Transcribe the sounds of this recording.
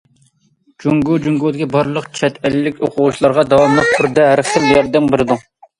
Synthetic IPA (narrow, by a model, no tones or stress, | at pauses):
d͡ʒuŋɡud͡ʒuŋɡud̪ɪkʲʰibɑɾlˠəqt͡ʃʰɛt̪ʰɛlːɪkʲo̰qʰʊʁuʃilˠɑɾʁɑd̪ɑwɑmlˠɛp̚tʰʊɾd̪ɛɦæɾχt̪ɪmjɛɾd̪ɛmbɪɾɨd̪u